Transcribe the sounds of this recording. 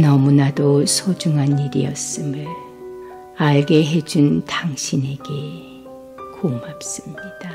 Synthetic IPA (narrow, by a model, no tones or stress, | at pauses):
nʌmunadosʰod͡ʑuŋɦaniɾijʌs͈ɯmɯɭ | aɭɡe̞ɦe̞d͡ʑuntaŋɕʰine̞ɡe̞ | komap̚s͈ɯmɲid̥a